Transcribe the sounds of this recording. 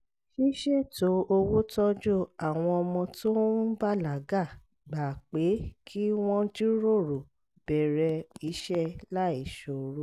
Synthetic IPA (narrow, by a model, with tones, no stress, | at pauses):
ʃi˦ʃɛ˦˨to˨˦o˧wo˦tɔ˦d͡ʒo˦˨a˨w̃ɔ̃˧ɔ˧mɔ̃˧to˦ba˦la˨ɡa˦˨ | ɡ͡ba˨k͡pe˨˦kʰi˦w̃ɔ̃˦d͡ʒu˦ɾo˦˨ɾo˨ | bɛ˨ɾɛ˧i˨˦ʃɛ˦la˦i˨ʃo˨ɾo˧˦